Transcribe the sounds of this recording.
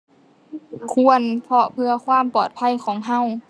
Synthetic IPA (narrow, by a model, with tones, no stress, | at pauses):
kʰu˧ənpʰɔ˧pʰɯ˧ɐkʰwaː˧˥˨mpɔː˨˩t̪̚pʰa˧˥˨jkʰɔː˩˦ŋɦa˧˥˨w